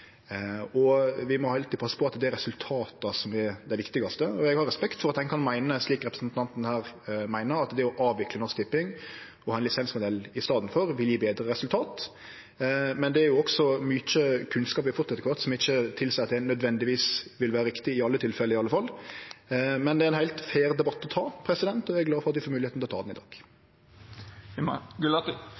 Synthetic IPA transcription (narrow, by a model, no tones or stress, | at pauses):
ɔʋɪmɔhɑːɑlt̪ːiːpʰɑsːə̥pʰɔɑt̪d̪ɛɾɛsʉlt̪ʰɑːt̪ɑsɔmɪd̪æɪʋɪkt̪ɪɡɑst̪əɔɛɡhɑɾɛspɛkt̪fɔɾɑt̪̚d̪ɛnkʰɑnmæɪnəsliːkɾɛpɾəsnt̪ʰɑnt̪n̩hæːɾmæɪnəɾɑt̪d̪ɛɔʔɑːʋʋɪklənɔskt̪ɪpːɪŋ | ɔɑːɛnɪsɛnsmʊd̪ɛlːɪst̪ɑːd̪n̩fɔɾʋɪljiːbeːd̪ɾəɾɛsʉlt̪ʰɑːt̪ | mɛnd̪ɛæɾjʊɔɡsɔmʏc͡çəkʰʉnskɑːp̬ɪfʊt̪ɛt̪ːəkʰʋɑɾt̪sɔmɪçːət̪ʰɪlsæɪɑt̪d̪ɛnœd̪ʋɛnd̪ɪʋiːsʋɪlʋæːɾəɾɪkt̪ɪɪɑlːət̪ʰɪlfɛlːəɪɑlːəfɑlː | mɛnd̪ɛæɾɛnhæɪlt̪fæːɾd̪ɛbɑt̪ːɔt̪ʰɑːpʰɾɛsɪd̪ɛnt̪ɔɛɡlɑːfɔɾɑt̪d̪ɪfoːmʉːlɪheːt̪nʰlɔt̪ʰɑːd̪nɪd̪ɑ̰ːɡ̥ | ɡ